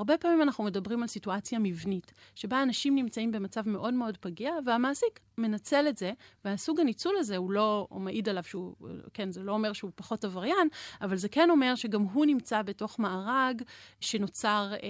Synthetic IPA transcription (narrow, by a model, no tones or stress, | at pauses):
aʁbe̞paːmimanaχnume̞dabʁimalsituat͡sjamivnit | ʃebaːnaʃimnimt͡saimbe̞mat͡savme̞ʔo̞dmeo̞dpaɡiaveamaːsik | me̞nat͡se̞letze̞veasuɡanit͡sulaze̞hulo̞meʔidalav̥ʃeukenzelo̞ome̞ʁʃeupaχo̞tavaʁjanavalzekeno̞me̞ʁʃe̞ɡamɦunimt͡sabeto̞χmaaʁaɡʃe̞no̞t͡saʁ